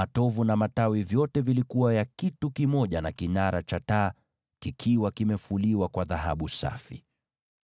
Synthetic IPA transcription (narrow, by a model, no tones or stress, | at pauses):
atɔvunamatawivjɔtɛvilikuwajakitukimɔʄanakinaɾa̰t͡ʃata | kikʰiwakimɛfuliwakwaðaɦa̰ɓusa̰fi